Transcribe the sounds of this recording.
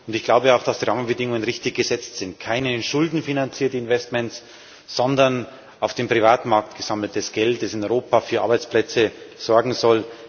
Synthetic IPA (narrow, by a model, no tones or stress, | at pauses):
ʊndɪçɡ̥laʊbəaʊxd̥asd̥iːʁaːmənbədɪŋʊŋənʁɪçtɪçɡ̥əzɛt͡stz̥ɪntkʰaɪnənʃʊldn̩finant͡siːɐtəɪnvɛstmɛns | z̥ɔndɐn | ʔaʊfd̥eːmpʁ̥ivaːtmaɐk̚tɡ̥əz̥aml̩t̚d̥asɡ̥ɛltd̥asɪnɔʏʁoːpafyːɐa̰ɐbaɪt͡splɛt͡səz̥ɔɐɡŋ̩zɔl